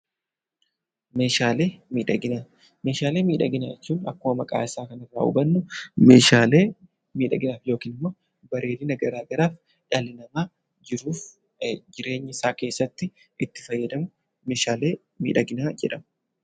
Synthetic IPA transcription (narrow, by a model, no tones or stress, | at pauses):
me̞ːʃaːle̞ːmiːᶑɐɡɪnaː | me̞ːʃaːle̞ːmiːᶑɐɡɪna̰ːɛt͡ʃːuːnɐkːʊmɐmɐkʼa̰ːɪsaːkɐnɪrːa̰ːʊ̰bɐnːʊmḛːʃaːleː | miːᶑɐɡɪnaːfjo̞ːkiːnɪmːo̞ː | bɐɾʔe̞ːlɪnɐɡɐɾaːɡɐɾaːf | ᶑaːlɪnɐmaː | d͡ʒɪɾuːf | d͡ʒɪɾe̞ːɲːɪɪsaːke̞ːsːɐt̪ːɪ | ʔɪt̪ːɪ̥fɐjːɐd̪ɐmʊ | me̞ːʃaːle̞ː | mḭːᶑɐɡɪnaːd͡ʒɛᶑɐmɐ